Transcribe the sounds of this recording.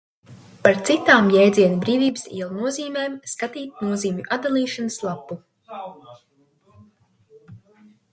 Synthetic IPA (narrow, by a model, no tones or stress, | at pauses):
paɾt̪sit̪aːmjɛjd̪ziɛnibɾiːvʲiːbɨsḭːɛlˠunuɔziːmeːmskat̪iːt̪̚nuɔziːmʲuʔad̪d̪alˠiːʃanɨslˠapːu